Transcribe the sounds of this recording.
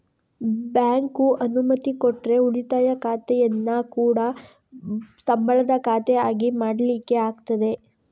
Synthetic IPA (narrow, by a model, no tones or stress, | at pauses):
bjaːŋkuʔɐnumɐt̪ikoʈːɾe̞uɭit̪aːjɐkaːt̪ɛjɐnːɐkuːɽɐ | sɐmbʱɐɭɐd̪ɐkaːt̪ɛaːɡimaːɽɐlikːe̞aːɡt̪ɐd̪e̞